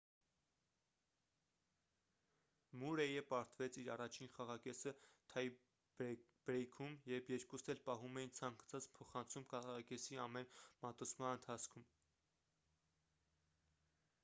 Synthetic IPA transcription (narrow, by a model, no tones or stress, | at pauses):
muɾɛjəpɑɾt̪vɛt͡sʰiɾɑrɑt͡ʃʰinχɑʁɑkɛsət̪ʰɑj | b̥ɾɛjkʰumjɛbjɛɾkust̪ʰɛlpɑɦumɛjint͡sʰɑŋɡʰɑ̥t͡sʰɑt͡spʰɔχɑnt͡sʰumkɑʁɑkɛsiɑmɛnmɑt̪ut͡sʰmɑnənt̪ʰɑt͡sʰkʰum